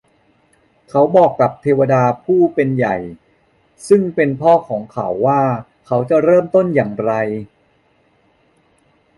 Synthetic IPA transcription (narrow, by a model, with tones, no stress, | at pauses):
kʰa˦˥wbɔː˨˩kːa˨˩p̚t̪ʰeː˧wa˧daː˧pʰuː˥˩pe˧nja˨˩j | sɯ˥˩ŋpe˧npʰɔː˥˩kʰɔː˩˦ŋkʰa̰˦wːaː˥˩ | kʰa˦˥wt͡ɕa˨˩ɾɤː˥˩mt̪o˥˩njaː˨˩ŋɾa˧j